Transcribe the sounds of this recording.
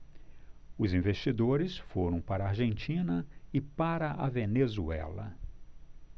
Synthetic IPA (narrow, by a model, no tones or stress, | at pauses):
ʊzĩvest͡ʃid̪oɾɪsfoɾɐ̃w̃paɾɐaɾʒẽnt͡ʃĩnɐɪpaɾɐʔɐ̰venezuɛ̰lɐ̰